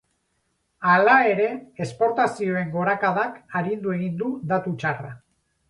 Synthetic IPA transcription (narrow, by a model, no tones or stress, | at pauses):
alae̞ɾe̞espo̞ɾt̪asio̞e̞ŋɡo̞ɾakaðakaɾind̪ue̞ɣ̞ind̪ud̪at̪ut͡ʃara